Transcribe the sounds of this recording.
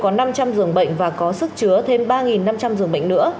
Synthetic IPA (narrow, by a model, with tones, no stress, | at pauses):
kɔ˨˦na˧mt͡ɕa˧mzɨ˨˩əŋɓə̰˧˨jŋ̟vaː˨˩kɔ˨˦sɨ˦˥k̚t͡ɕɨ˨˦ət̪ʰe˧mɓaː˧ŋi˨˩nːa˧mt͡ɕa˧mzɨ˨˩əŋɓə̰˧˨ŋ̟nɨ̰˧˥ə